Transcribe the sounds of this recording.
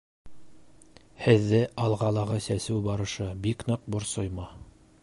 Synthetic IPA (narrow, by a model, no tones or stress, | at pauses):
hɘ̆ðːɘʔɑlˠʁɑlˠɑʁɤsæsɘwbɑɾɤ̆ʃɤbiknɤq̚bŏɾsojmɑ